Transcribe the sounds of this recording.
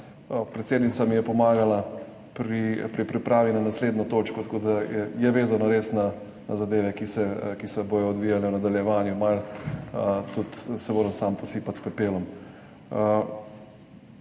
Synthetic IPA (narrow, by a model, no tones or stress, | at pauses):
pɾɛt̪seːd̪nit̪samijɛpɔmaːɡala | pɾipɾipɾipɾaːʋinanasleːd̪nɔt̪oːt͡ʃkɔt̪akoːd̪aɛjɛʋeːzanɔɾeːsna | nazad̪eːʋɛkisɛkisɛbojɔɔd̪ʋiːjalɛwnad̪aljɛʋaːnjumal | t̪ut̪sɛmoːɾɛmsampɔsiːpat̪spɛpeːlɔm